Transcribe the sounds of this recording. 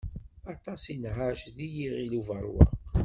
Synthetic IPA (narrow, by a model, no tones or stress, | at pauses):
ɑt̪ɑsinʕaʃðijiʁiluvəɾˤwɑ̰q